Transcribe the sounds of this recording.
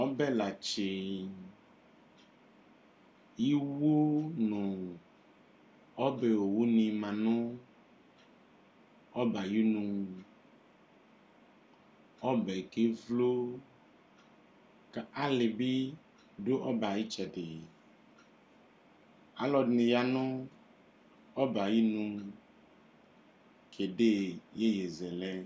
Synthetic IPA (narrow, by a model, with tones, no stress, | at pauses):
ɔ˦bɛ˦la˨t͡ʃe˨ | ji˦wo˦nũ˨ | ɔ˦be˨wo˨wu˦nĩ˨mã˨nũ˦ | ɔ˦ba˨ji˦nũ | ɔ˦bɛ˨ke˦vlo˦ | ka˦le˨bi˦ | ɖo˦ʔɔ˦ba˨ji˦t͡ʃɛ˨ɖe˨ | a˨lɔ˨dnĩ˨ja˦nũ˦ | ɔ˦ba˨ji˦nũ˦ | kʰe˨ɖe˦˨je˦je˨zɛ˨lɛ˦